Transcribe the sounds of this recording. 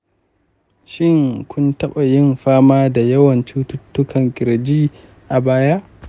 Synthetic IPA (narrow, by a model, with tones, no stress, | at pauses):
ʃɪ˦ŋkʷʰʊ˦ntɐ˦ɓa˨jɪ˦mɸaː˦maː˦da˨jɐ˦wɐ˨nt͡ʃuː˦tʊ˦tːʊ˦kʰɐ˨ŋkʲʼɪ˨ɾd͡ʒiː˦ | ʔa˨baː˦ja˦ʔ